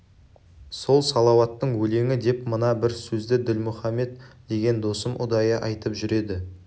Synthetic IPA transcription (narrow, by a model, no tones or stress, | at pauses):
so̞lˠsɑlˠɑwɑt̪ːəɴwɵle̞ŋʲɪd̪e̞pmənɑbɪɾsɵzd̪ɪd̪ɪlmʊχɑmːe̞t̪d̪̥e̞ɡʲe̞nd̪o̞səmʔʊ̰d̪ɑjəʔɑjt̪əpʒʏɾe̞d̪ɪ